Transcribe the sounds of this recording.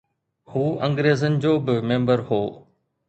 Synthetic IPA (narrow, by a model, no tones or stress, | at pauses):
huːɐ̃ŋɡɾeːzənɪ̆d͡ʑoːbɪmẽːmbəɾɦoː